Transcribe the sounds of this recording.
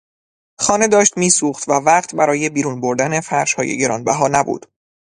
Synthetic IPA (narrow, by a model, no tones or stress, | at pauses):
xɒːne̞d̪ɒːʃt̪miːsuːxt̪vævæqt̪ʰbæɾɒːje̞biːɾuːnbo̞ɾd̪æne̞fæɾʃhɒ̰ːje̞̰ɟe̞ɾɒ̰ːnbæɦɒːnæbṵːd̪̥